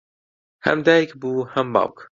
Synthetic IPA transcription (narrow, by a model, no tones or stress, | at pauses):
hæ̰md̪æjkbuːhamba̰wk